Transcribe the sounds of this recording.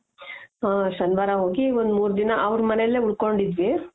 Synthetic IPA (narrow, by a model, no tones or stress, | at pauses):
ɦaːsɐnʋaːɾɐɦoːɡiond̪muːɾd̪inɐʔɐʋɾmɐnelːeːuɽkoɳɖid̪ʋi